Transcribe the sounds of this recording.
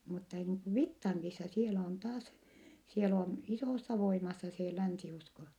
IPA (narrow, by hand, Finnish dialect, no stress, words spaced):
mutːɑ niːŋ ku ʋitːɑŋkisɑ sielæ on tɑːs siel on isoˑsːɑ ʋoimɑsːɑ se lænsiusko